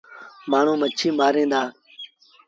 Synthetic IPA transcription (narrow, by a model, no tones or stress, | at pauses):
maːɳ̤ũːmət͡ʃʰiːmaːɾẽːnd̪aː